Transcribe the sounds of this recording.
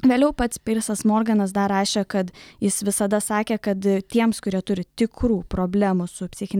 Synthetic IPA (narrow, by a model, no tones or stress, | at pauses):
ʋʲeːlʲɛʊpɐt̪spʲɪɾʲsɐsmoːɾɡɐnɐs̬d̪ɐɾɑːʃʲeːkɐt̪jɪsʋʲɪsɐd̪ɐsɑːkʲeːkɐt̪t̪ʲiɛmskʊɾʲiɛt̪ʊɾʲɪt̪ʲɪkɾuːpɾoːbʲlʲæːmʊsʊpʲsʲɪxʲɪnʲ